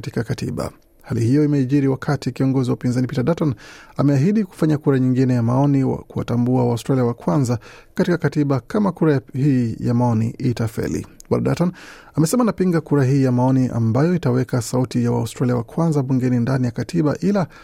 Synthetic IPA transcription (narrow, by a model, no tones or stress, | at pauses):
ti̥kakatḭɓa̰ | halḭhijɔimɛiʄiɾiwakʰatikiɔŋɡɔziwaupinzanipitaɗatanamɛaɦiɗiku̥faɲakuɾaɲiŋɡinɛjamaɔniwa̰kuwa̰tambuawaustɾaliawakwanzakatikakatiɓakamakuɾahiːjamaɔnḭʔitafɛ̰lḭwa̰laɗa̰tanamɛsɛmanapiŋɡakuɾaɦiːjamaɔniʔa̰mbajɔitawɛkasautijawa̰ustɾaliawakwanzaɓuŋɡɛnindanijakatʰiɓaʔila